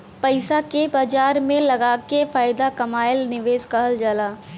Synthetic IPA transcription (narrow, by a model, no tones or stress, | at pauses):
pɐɪsakebaːd͡ʒaːɾmẽlɐɡaːkefaːɪd̪akɐmaːɪlnɪʋeːskɐɦəld͡ʒalaː